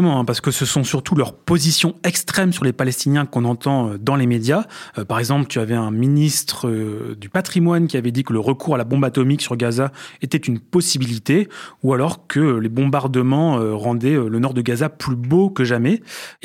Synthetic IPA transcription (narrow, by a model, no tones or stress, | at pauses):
əmɑ̃ɛ̃paʁsə̥kəsəsɔ̃syʁt̪ulœʁpozisjɔ̃ɛkst̪χɛmsyʁlepalɛst̪injɛ̃kɔ̃nɑ̃t̪ɑ̃ød̪ɑ̃lemed̪japaʁɛɡzɑ̃plət̪yavɛɛ̃minist̪χəd̪ypat̪χimwankʲiavɛd̪ikələʁəkʰuʁalabɔ̃bat̪ɔmiksyʁləɡazaet̪ɛt̪ynpɔsibilit̪eualɔʁkʰəlebɔ̃baʁd̪əmɑ̃øʁɑ̃d̪ɛølənɔʁd̪əɡazaplybokəʒamɛ